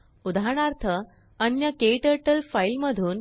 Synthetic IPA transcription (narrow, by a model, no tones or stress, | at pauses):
ud̪ʱaɾɽ̃aɾt̪ʰə | ənjəkeiʈəʈəlfailməd̪ʱuːn